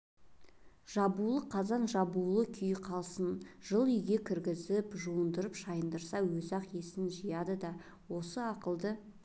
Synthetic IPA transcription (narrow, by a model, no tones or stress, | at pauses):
ʒ̥ɑbulˠəqʰɑzɑnʒɑbulˠəkʲʰʏjqʰɑlˠsənʒ̥əlˠʏjɡʲe̞kʲʰɪɾɡʲɪzɪpʒuənd̪əɾəpʃɑjənd̪əɾsɑwɵzɑqjesɪnʒijɑd̪əd̪ɑ | wo̞səɑqəlˠd̪ə